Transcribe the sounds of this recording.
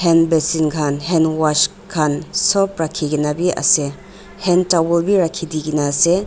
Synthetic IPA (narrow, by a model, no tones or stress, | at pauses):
henbesinkʰanɦenwat͡ʃ | kʰansɔp̚ɾakʰiɡinabiʔa̰se | hentabulbiɾakʰːidiɡinase